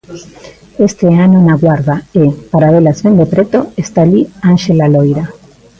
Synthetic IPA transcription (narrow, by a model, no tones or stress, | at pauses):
est̪eanonaɣwaɾðaepaɾaβelazβend̪epɾet̪oest̪alianʃelalojɾa